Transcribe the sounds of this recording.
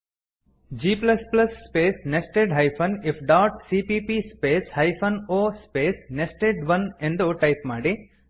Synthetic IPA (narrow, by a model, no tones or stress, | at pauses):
d͡ʒiːplɐsplɐsːpeːsnesʈeːɖɦɐjpʰɐnɪfʰɖaːʈsiːpiːpispeːshɐjpʰɐnoːspeːsnesʈeːɖʋɐnẽnd̪oʈɐjpmaːɽi